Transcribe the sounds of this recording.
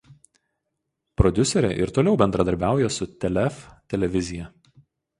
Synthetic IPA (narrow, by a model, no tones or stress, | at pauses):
pɾɔd̪ʲʊsʲɛɾʲɛ̰ʔɪɾt̪oːlʲɛʊbʲɛnd̪ɾɐd̪ɐɾʲbʲæˑʊjɛsʊt̪ʲɛlʲɛft̪ʲɛlʲɛʋʲɪzʲɪjɛ